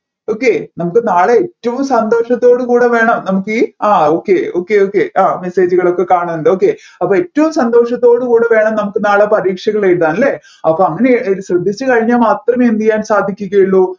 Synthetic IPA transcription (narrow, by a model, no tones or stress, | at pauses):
oːkːenɐmukːɨnaːɭeetːɐʋumsɐnd̪o̞ːʂɐt̪ːo̞ːɽɨkuːɽeʋe̞ːɳɐmnɐmukːɨaːoːkːeo̞̰ːkːeoːkːeʔaːme̞seːd͡ʑuɣɐɭo̞kːe̞kaːɳunːɳɖeo̞ːkːe̞ | ɐpːoːetːɐʋumsɐnd̪o̞ːʂɐt̪ːo̞ːɽukuːɽeʋe̞ːɳɐmnɐmukːɨnaːɭepɐɾiːkʂɐɣɐɭejʈðaːnilːe | ɐpːoɐŋːɐneilɕrɐd̪ʱːit͡ɕːɨkɐɻiɲːaːmaːt̪rɐmeːnd̪ijːaːnsaːd̪ʱikʲːuɣɐjiɭːoː